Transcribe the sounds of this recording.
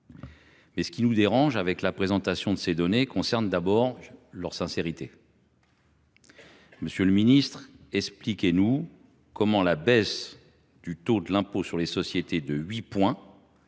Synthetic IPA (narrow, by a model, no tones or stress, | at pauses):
mɛsə̥kʲinud̪eʁɑ̃ʒavɛklapχezɑ̃t̪asjɔ̃d̪əsed̪ɔnekɔ̃sɛʁnd̪abɔʁlœʁsɛ̃seʁit̪e | məsjøləminist̪χɛksplikʲenu | kɔmɑ̃labɛs | d̪̥yt̪od̪əlɛ̃posyʁlesɔsjet̪ed̪əɥipwɛ̃